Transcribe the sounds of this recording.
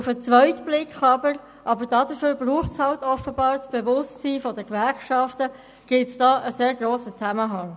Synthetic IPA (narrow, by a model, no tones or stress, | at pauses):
ʊfət͡svœʏtb̥lɪkχɑbəɾ | ʔɑbəɾd̥ɑːdəføːɾbruːχtshɑltɔfəbɑːɾt͡sb̥evʊstsiːfɔdəkʋɛɾχʃɑftə | ɡ̥ɪtsd̥ɑːʔəseːɾɡroːsət͡sæməɦɑŋ